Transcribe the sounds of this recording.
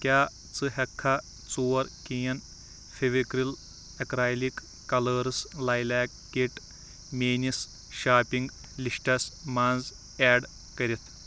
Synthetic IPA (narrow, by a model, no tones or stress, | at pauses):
kʲaː | t͡sɨɦɐkʰːa | t͡soːɾkiːjɐn | fʰeʋekɾil | ɐkɾaːjlikː | ɐləːɾɨslaːjlaːk̚ːeʈ | meːnis | ʃaːpiŋɡ | liʂʈɐsmaːnd͡z | ɛːɖ | kɐɾʲit̪ʰ